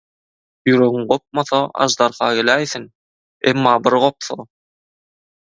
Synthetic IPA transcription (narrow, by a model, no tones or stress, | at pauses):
jyɾøɣyŋɢop̚moθɑɑ̰ʒd̪ɑɾχɑːɡelæːjθin | ḛmːɑːbiɾʁo̞p̚θo̰